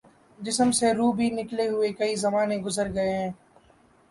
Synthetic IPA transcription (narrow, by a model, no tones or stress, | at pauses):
d͡ʒɪsəmseɾuːbʱinɪkleɦʊekɐizɐmaːnẽɡʊzəɾɡɐeɦɛ̃ː